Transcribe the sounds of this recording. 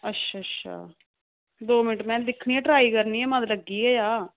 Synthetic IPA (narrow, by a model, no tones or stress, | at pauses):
ətːʃʰaːtʃʰa̰ː | d̪oːmɪnɪʈmɛ̃ːd̪ɪkʰɳiːɛ̃ːʈɾaːiːkəɾniːɛːmə̃t̪ləɡːiːɛːjaː